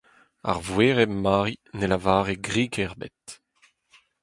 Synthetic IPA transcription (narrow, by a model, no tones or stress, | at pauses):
a̰ʁvweːʁɛmaːʁinelavaːʁeɡʁiːɡɛʁbɛ̰t̪